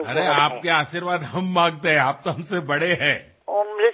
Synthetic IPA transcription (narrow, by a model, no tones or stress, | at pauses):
ɐɾeaːp̚keaːʃiɾʋaːd̪ɦɐmːãːŋɡt̪eɦɛ̃aːp̚t̪oɦɐmsebɐɽeɦɛ̃ː | ome